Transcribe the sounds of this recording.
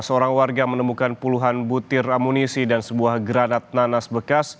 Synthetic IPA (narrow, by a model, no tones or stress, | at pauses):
səoɾaŋwarɡamənəmukanpuluɦanbut̪ɪramunisidansəbuahɡɾanat̪̚nanasbəkas